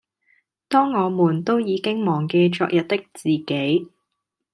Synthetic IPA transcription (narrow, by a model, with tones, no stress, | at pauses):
t̪ɔː˥ŋːɔː˨˧muː˨˩nt̪o˥wjiː˨˧kɪ˥ŋmɔː˨˩ŋke˧jt͡ʃɔ̰ː˧k̚jɐ˨t̚t̪ɪ˥k̚t͡siː˨ke˨˥j